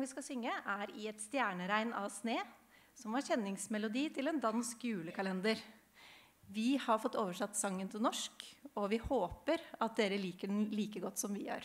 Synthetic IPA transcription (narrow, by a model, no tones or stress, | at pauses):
ʋɪskɑsʏŋːəʔæɾɪɛt̪st̪jæːɳəɾæɪnɑʋsneː | sɔmʋɑɾçɛnːɪŋsmɛlʊd̪iːt̪ʰɪlɛnd̪ɑnskjʉːləkʰɑlɛnd̪əɾ | ʋɪhɑɾfɔt̪ːoːʋəʂɛt̪ːsɑŋːənt̪ʰɪlnɔʂkɔʋɪhoːpəɾɑt̪̚d̪eːɾəliːkəɖn̩liːkəɡɔt̪ːsɔmʋɪjø̰ːɾ